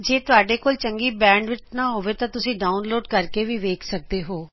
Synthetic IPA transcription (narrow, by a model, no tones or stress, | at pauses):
d͡ʒeːt̪ʊaːɖeːkoːlt͡ʃəŋɡiːbɛ̃ːɳɖʋɪt͡ʃnaːɦoːʋeːt̪ãːt̪ʊsĩːɖaːʊnloːɖkəɾkeːʋiːʋeːkʰsək̚d̪eːɦoː